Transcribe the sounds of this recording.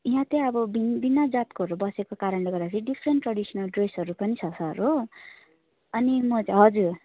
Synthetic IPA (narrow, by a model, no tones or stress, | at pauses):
iɦãt̪ẽʌbʌbinbinːad͡zat̪̚koɦʌɾubʌsekokaɾʌnleɡʌrd̪at͡sʰʌĩɖipʰɾeɳʈrʌɽisʌnʌlɖresɦʌɾupʌnit͡sʰʌsʰʌɾu | ʌnimʌt͡saɦʌd͡zuɾ